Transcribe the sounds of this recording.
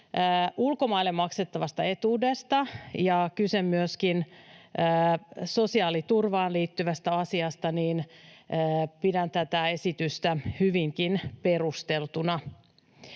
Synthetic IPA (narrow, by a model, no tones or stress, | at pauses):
əːʔulko̞mɑilːemmɑkset̪ːɑʋɑst̪ɑe̞t̪uːdest̪ɑjɑkysemːyøskinəːso̞siɑːlit̪urʋɑːnliːt̪ːyʋæst̪æɑsiɑst̪ɑniːnː | pidænt̪æt̪æe̞sit̪yst̪æhyʋiŋkinpe̞rust̪elt̪unɑ